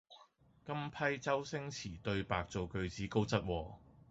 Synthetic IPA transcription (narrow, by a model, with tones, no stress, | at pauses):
kɐ˥mpʰɐ˥jt͡sɐ˥wsɪ˥ŋt͡sʰiː˨˩t̪ɵ˧ɥpaː˨k̚t͡so˨wkɵ˧ɥt͡siː˨˥ko˥wt͡sɐ˥t̚wɔː˧